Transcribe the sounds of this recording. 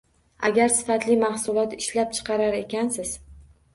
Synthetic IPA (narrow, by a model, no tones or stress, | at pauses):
a̰ɡʲaɾsɪ̥fat̪lɪmahsʊlˠɒt̪ɪʃlap̚t͡ʃʰɨ̥qʰɑɾaɾe̞kʲansɪz̥